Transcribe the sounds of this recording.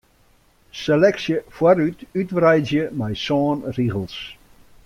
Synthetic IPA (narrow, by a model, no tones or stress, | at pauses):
selɛksjəfwaɾytytʋrɛjzjəmɛjsɔːnriɣəlˠs